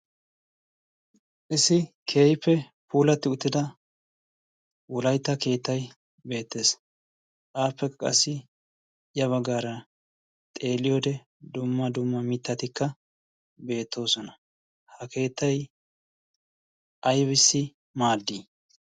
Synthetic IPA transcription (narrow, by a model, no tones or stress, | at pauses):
ʔɪsɪ | kʰe̞ːjpːɛ | puːlɐt̪ːɪʊt̪ːɪd̪ɐ | wɔlɐjt̪ːɐke̞ːt̪ːɐj | be̞ːt̪ːe̞ːs | kaːpːɛkːɐkʼɐ̰sːɪ | ɪjɐβɐɡaːɾɐ | t̪ʼe̞ːlɪjoːd̪ɛ | d̪ʊmːɐd̪ʊmːɐmɪt̪ːɐt̪ɪkːɐ | be̞ːt̪ʰːo̞ːsɔnɐ | hɐke̞ːt̪ːɐj | ʔɐjbɪsːɪ | maːd̪ːi